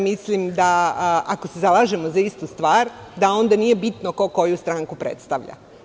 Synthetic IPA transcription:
mislimd̪aakose̞zalˠaːʒe̞mo̞zaist̪ust̪ʋaːɾd̪ao̞nd̪anije̞bit̪nokoko̞just̪ɾaŋkupɾḛt̪st̪aʋʎa̰

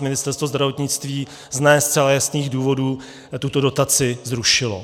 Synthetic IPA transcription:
mɪnɪst̪ɛɾst̪vozd̪ɾavo̞t̪ɲɪt͡st̪viː | znɛːst̪sɛlajasniːɣduːvo̞duː | t̪ut̪o̞do̞t̪at͡sɪzɾuʃɪlo̰

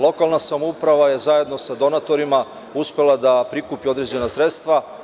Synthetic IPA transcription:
lˠo̞kalˠnasamoupɾaʋaje̞zaje̞d̪no̞sad̪o̞nat̪o̞ɾima | uspe̞lˠad̪apɾikupio̞d̪ɾe̞d͡ʑe̞nasɾet̪st̪ʋa

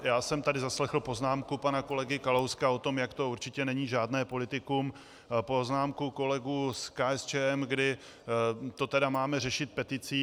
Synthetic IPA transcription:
jaːsɛmt̪adɪzaslɛxl̩po̞znaːmkupanako̞lɛɡɪkalowskao̞t̪o̞mjakt̪ouɾt͡ʃɪcɛnɛɲiːʒaːdnɛːpo̞lɪt̪ɪkuːm | poznaːmkuko̞lɛɡuːskaːɛst͡ʃɛːɛmɡdɪ | t̪o̞t̪ɛdamaːmɛrɛʃɪt̪̚pɛt̪ɪt͡siː

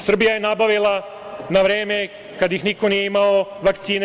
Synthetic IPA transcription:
sr̩bijaje̞nabaʋilˠa | naʋɾeːme̞ | kad̪jixniko̞nije̞imaoʋakt̪siːne

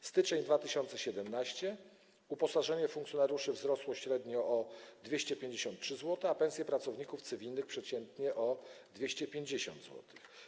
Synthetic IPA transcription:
st̪ɘt͡ʂɛɲd̪vat̪ɘɕɔnt̪sɛɕɛd̪ɛmnaɕt͡ɕɛ | upɔsaʐɛɲɛfuŋkt̪sʲjɔnaɾʲjuʂɘvzɾɔswɔɕɾɛd̪ɲɔʔɔd̪vʲjeɕt͡ɕɛpʲjeɲd͡ʑeɕɔ̃nt̪̚tʂɘzwɔt̪ɛapɛnsʲjɛpɾat̪sɔvɲikuft̪sɘvʲilnɘxpʂɛt͡ɕɛnt̪ɲɛʔɔd̪vʲeɕt͡ɕɛpʲjeɲd͡ʑeɕɔ̰nd̪zwɔ̰t̪ɘ̥x

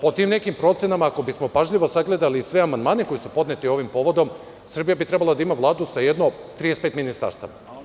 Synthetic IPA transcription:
po̞t̪iːmne̞kimpɾo̞t̪senamaːko̞bismo̞paʒʎiʋo̞saɡle̞d̪alisʋe̞amand̪maːne̞ko̞jisupo̞d̪net̪io̞ʋimpo̞ʋo̞d̪o̞m | sr̩bijabit̪ɾe̞balˠad̪aimaʋlˠaːd̪usaje̞d̪not̪ɾijespet̪minist̪a̰ɾst̪a̰ʋa̰

